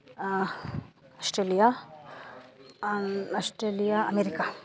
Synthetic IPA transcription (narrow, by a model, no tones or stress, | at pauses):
ɐsʈɾeːlija | asʈɾeːlijaɐmeɾika